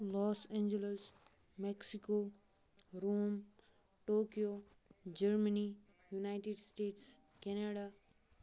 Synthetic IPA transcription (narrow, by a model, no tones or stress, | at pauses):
lɔːsẽːɲd͡ʒələs | mɛksiko | ɾuːm | ʈoːkijo | d͡ʒəɾməni | junaɪʈeɖsʈeːʈs | kɛneɖa